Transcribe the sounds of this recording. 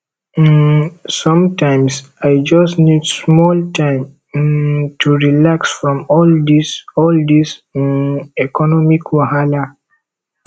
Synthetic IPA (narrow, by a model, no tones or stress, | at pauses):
sɔ̃mtãɪ̃msaɪd͡ʒʌsnidsmɔltʰãɪ̃m | tʰuɹilaksfɹɔ̃mɔldisɔld̪is | ɛkɔnɔmikʰwɔhala